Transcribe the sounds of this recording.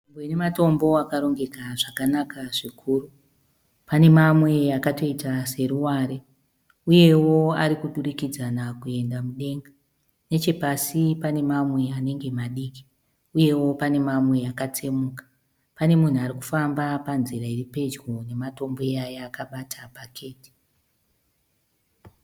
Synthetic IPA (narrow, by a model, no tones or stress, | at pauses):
imboinemato̞mbo̞akaɾo̞ŋɡe̞kaʐakanakaʐikʰuːru | pane̞mamwe̞akato̞itase̞ɾuwaɾe | uje̞wo̞aɾikuɗurikid͡zanakue̞ndamuɗe̞ŋɡa | ne̞t͡ʃe̞pasipane̞mamwe̞ane̞ŋɡe̞maɗiːki̥ | uje̞wo̞pane̞mamwe̞akat͡se̞muːkḁ | pane̞mun̤uaɾiku̥fambapanziɾairipe̞d͡ʒɡo̞ne̞mato̞mbo̞ajaːkaɓatʰapakʰe̞ːti̥